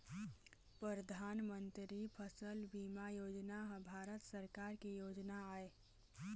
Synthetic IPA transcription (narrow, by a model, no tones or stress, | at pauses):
pɾɾəd̪ʱaːnmənt̪ɾipʰəsəlbiːmajoːd͡ʒnaɦbʱaːɾət̪səɾkaɾkijoːd͡ʒnaaːe